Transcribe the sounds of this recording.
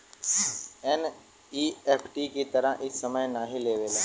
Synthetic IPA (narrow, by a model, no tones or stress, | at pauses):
ɛn | iːɛːpʰʈikit̪əɾəʔɪsːəməjnaɦĩleːʋeːlaː